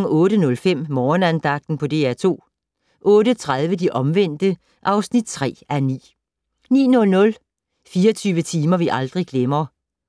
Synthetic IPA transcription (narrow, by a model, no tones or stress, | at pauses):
ŋɔ̽ːɾ̥ənɔ̽lfem̰mɒːnænd̥ɑ̈ɡ̥̚d̥n̩pʰɒ̽d̥e̝̰æɐt͡sʰo̝̰ː | ʔɔ̽ːɾət͡sʰʁaðˠʋəd̥iʔɒ̽mʋen̰d̥ə | ʔɑ̈ʊsnid̥̚t͡sʰʁɛ̰ːænḭː | nḭːnɔ̽lnɔ̽l | fiːɐt͡sʰyːʋət͡sʰiːmɐʋiʔɑ̈ld̥ʁiɡ̥lemɐː